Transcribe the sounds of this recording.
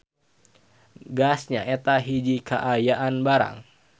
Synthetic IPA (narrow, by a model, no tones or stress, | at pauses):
ɡasɲaʔɛt̪aɦid͡ʒikʰaʔajaʔanbaɾa̰ŋ